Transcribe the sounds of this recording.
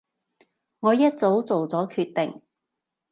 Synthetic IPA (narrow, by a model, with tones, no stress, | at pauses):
ŋɔː˨˧jɐ˥t̚t͡so˨˥wt͡so˨wt͡sɔː˨˥kʰyː˧t̚t̪ɪ˨˩ŋ